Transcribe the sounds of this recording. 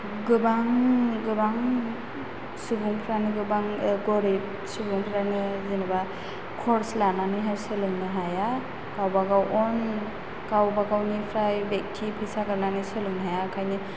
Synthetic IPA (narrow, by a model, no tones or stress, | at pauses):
ɡɯbaŋɡɯbaŋ | subuŋpʰɾanɯɡɯbaŋɡɔɾip̚ | subuŋpʰɾanɯzinɯba | kʰɔɾslananɯɦajsɯluŋnɯɦaja | kawbaɡawʔɔn | kawbaɡawnipʰɾajbek̚tʰipʰisaɡaɾnanɯsɯluŋɦajaːkʰajni